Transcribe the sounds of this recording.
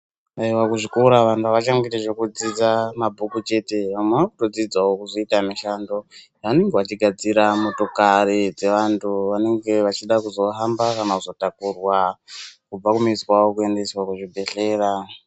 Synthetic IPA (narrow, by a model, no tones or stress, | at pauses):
aiwakuʐikuɾaʋantʰuaʋat͡ʃaŋɡiteʐekud͡zid͡zamabʱukut͡ʃe̞te̞amweakuto̞d͡zid͡zaokuzo̞itamiʃando̞ | ane̞ŋɡeʋat͡ʃiɡʱad͡ziɾamoto̞kaɾid͡ze̞ʋantʰuʋane̞ŋɡe̞ʋat͡ʃiɗakuzo̞ɦambakanauzo̞takurwakub͡vakumiswaokue̞nde̞swakuʐibʱe̞ɬe̞ːɾa